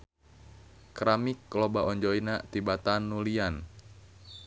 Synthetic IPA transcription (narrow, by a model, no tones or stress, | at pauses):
kɾamikːlɔbaʔɔɲd͡ʒɔinat̪ibat̪anːulian